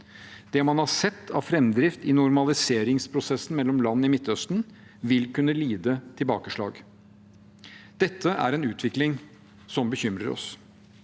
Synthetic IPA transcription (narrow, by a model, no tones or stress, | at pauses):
d̪̥ɛmɑnhɑsɛt̪ːɑ̰ʋfɾɛmd̪ɾɪft̪ɪnʊɾmɑlɪseːɾɪŋspʰɾʊsɛsːn̩mɛlːɔmlɑnːəɪmɪt̪ːœst̪n | ʋɪlkʉnːəliːd̪ət̪ʰɪlbɑːkəʂɭɑ̰ːɡ | d̪̥ɛt̪ːəʔæ̰ɾɛnʉːt̪ʰʋɪklɪŋ | sɔmbəçʏmɾə̰ɾɔ̰s